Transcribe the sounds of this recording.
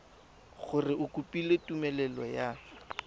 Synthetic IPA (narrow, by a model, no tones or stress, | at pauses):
ɣʊrɪʔʊkʼupʼiletumɛlɛlɔja